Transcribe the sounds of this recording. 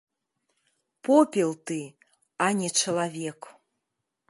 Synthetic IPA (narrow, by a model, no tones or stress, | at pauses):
popʲelˠt̪ɨ | anʲɛt͡ʃɐlˠavʲek